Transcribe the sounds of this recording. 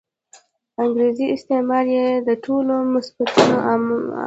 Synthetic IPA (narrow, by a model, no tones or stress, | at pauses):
aŋɡɾeziɪst̪emɑɾjed̪əʈʰolomʊsb̥at̪uno